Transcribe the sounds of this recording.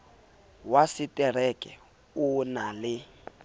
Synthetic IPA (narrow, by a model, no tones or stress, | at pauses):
wasitʼɛr̤ɛkʼɛ | unalɪ